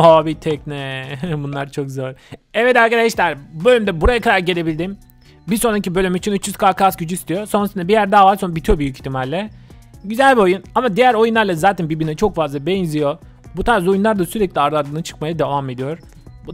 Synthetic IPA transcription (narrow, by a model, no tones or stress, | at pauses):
obit̪ʰɛcnɛbunlˠaɾt͡ʃʰo̞kzo̞ɾɛvɛt̪æɾkad̪aʃlʲæɾbø̞lʲymd̪ɛbuɾajakʰad̪aɾɟelʲe̞bilʲd̪im | biso̞nɾacibølʲymit͡ʃʰinyt͡ʃjyz̥kʰaːkasɟyd͡ʒyist̪ʰijo̞so̞nasɯnd̪ɛbijæɾd̪aːvaɾso̞nbit̪ʰijo̞byjyci̥t̪ʰimɛlʲːɛɟyzælʲbio̞junamad̪ijæɾo̞junlˠaɾlˠazaːt̪ʰænbibinɛt͡ʃʰo̞kfazlˠabɛnzʲijo̞ | but̪ʰaɾzo̞junlˠaɾd̪asyɾɛclʲiaɾd̪aɾd̪ɯːnat͡ʃʰɯ̥kmajad̪e̞vame̞d̪ijo̞ɾ̥